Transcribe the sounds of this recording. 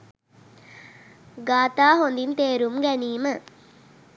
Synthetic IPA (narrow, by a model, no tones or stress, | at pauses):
ɡaːt̪aːɦond̪int̪eːɾumɡæniːmə